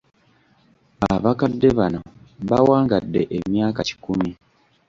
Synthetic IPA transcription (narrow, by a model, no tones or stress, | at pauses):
aβakadːe̞βano̞ | βawaːŋɡadːe̞ʔemjaːkaci̥kumi